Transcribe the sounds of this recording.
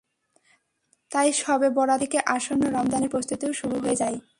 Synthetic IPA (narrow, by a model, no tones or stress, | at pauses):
t̪ajʃɔbebɔɽad̪ekeʔaʃonːoɾamd̪aneɾpɾost̪ut̪iwʃuɾuɦoed͡ʑaj